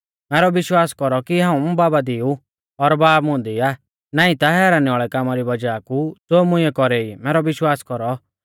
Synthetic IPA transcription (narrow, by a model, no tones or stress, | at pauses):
mɛːɾɔʋɪʃwaːskɔɾɔkiɦãːũbaːbad̪ɪu | ɔɾbaːmʊ̃ːnd̪iaː | naːĩt̪aɦɛːɾanɪaːɭɛkaːmaɾibɐd͡ʒaːkud͡zoːmʊ̃ɪɛkɔɾeimɛːɾɔʋɪʃwaːskɔɾɔ